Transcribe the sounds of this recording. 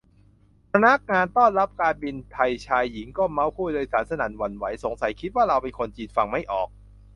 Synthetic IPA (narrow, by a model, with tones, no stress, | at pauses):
pʰa˧na˦˥k̚ŋaː˧nt̪ɔː˥˩nɾa˦˥p̚kaː˧nbi˧nt̪ʰa˧jt͡ɕʰaː˧jːi˩˦ŋkɔː˥˩ma˦˥wpʰuː˥˩noː˧jsaː˩˦nsa˧naː˩˦nwa˧nwa˩˦jso˨˩˦ŋsa˨˩˦jkʰi˦˥t̪̚waː˥˩ɾa˧wpe˧nkʰo˧nt͡ɕiː˧nfa˧ŋma˥˩jʔɔː˨˩k̚